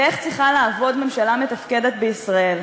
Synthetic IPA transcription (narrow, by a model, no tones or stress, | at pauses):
eχt͡sʁiχalaːvo̞d̪me̞mʃalame̞t̪afke̞d̪et̪beisʁae̞l